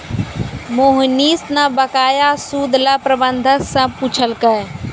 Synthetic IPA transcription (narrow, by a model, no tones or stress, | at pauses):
moɦniːsnabəkaːjasuːd̪lapɾəbənd̪ʱəksə̃puːt͡ʃʰəlkə